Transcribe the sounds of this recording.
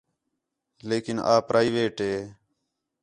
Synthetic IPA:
leːkɪna̰ːpɾʔaːiːʋeːʈɦeː

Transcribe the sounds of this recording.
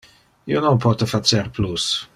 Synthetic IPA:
ionompɔt̪efat͡ʃerplus

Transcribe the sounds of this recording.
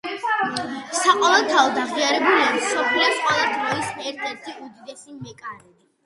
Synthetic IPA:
saqʼɔlat̪ʰaɔd̪aʁiaɾɛbuliasɔpʰilɛsqʼwɛlˠad̪ɾɔisɛɾt̪ʰɛɾt̪ʰiud̪id̪ɛsimɛkʼaɾɛd̪i

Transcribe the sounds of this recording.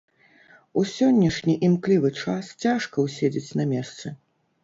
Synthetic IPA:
usʲɔnʲːɐʂnʲiʔimklʲivɨt͡ʂast͡sʲaʂkɐwsʲed͡zʲet͡sʲnɐmʲɛst̪sɨ

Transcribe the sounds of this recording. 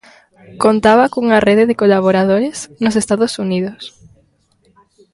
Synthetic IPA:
kont̪aβakouŋareðɪðɪkolaβ̞oɾað̞oɾesnos̬est̪aðosuniðos

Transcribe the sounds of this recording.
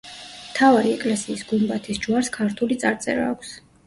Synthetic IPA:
mt̪ʰavaɾiɛkʼlɛsiːsɡumbat̪ʰisd͡ʒuaɾskʰaɾt̪ʰulit̪sʼaɾt̪sʼɛ̰ɾa̰ːkʷʰs

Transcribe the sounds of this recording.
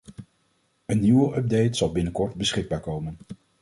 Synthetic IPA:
ənːiwəʔœb̚dejtsɑlˠbɪnəkɔɹdbəsχɪɡ̚baːɹkowmən

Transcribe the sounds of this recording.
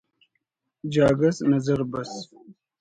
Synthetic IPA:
d͡ʒaːɡɐsnəzəɾbɐs

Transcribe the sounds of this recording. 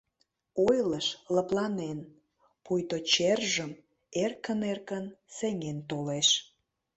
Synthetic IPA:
ojləʃləplɑnen | pujt̪ot͡ɕerʒəm | erkənerkənseŋent̪oleʃ

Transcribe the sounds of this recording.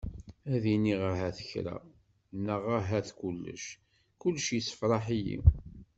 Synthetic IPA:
æðiniʁaɦæθə̥çɾæ̰ | nːəʁaɦæθkulːə̰ʃ | kʊlːʃjisə̥fɾˤɑħijḭ

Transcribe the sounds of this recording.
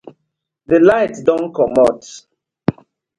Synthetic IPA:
ðəlaɪtdɔ̃nkɔmɔt

